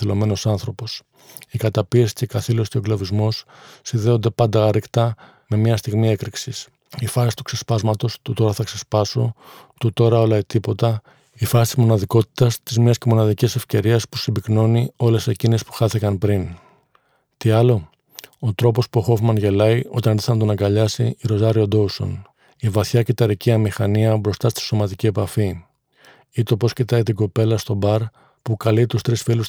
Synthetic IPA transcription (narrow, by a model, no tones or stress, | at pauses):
elo̞me̞no̞sɐnθɾo̞po̞s | ikɐt̪ɐpiesi̥ce̞kɐθilosceo̞ɡlɐvizmo̞sːinðe̞o̞nd̪e̞pɐnd̪ɐɐɾikt̪ɐ | me̞mɲɐst̪iɣmie̞kɾiksis | ifɐsi̥t̪u̥kse̞spɐzmɐt̪o̞st̪ut̪o̞ɾɐθɐkse̞spɐso̞t̪ut̪o̞ɾɐo̞lɐit̪ipo̞t̪ɐ | ifɐsi̥t̪izmo̞nɐðiko̞t̪i̥t̪ɐst̪izmɲɐsce̞mo̞nɐðicise̞fce̞ɾiɐspusibikno̞nio̞le̞se̞cine̞spu̥xɐθikɐnpɾin | t̪iɐlo̞ | ot̪ɾo̞po̞spuoxo̞vmɐnʝe̞lɐiʔo̞t̪ɐnðiθɐnd̪onɐɡɐʎɐsiiɾo̞zɐɾio̞d̪o̞uso̞̰n | ivɐθçɐcit̪ɐɾiciɐmixɐniɐbɾo̞st̪ɐst̪i̥so̞mɐt̪icie̞pɐfi | it̪o̞po̞scit̪ɐit̪iɡo̞pe̞lɐst̪o̞bɐɾ | pukɐlit̪ust̪ɾisfilus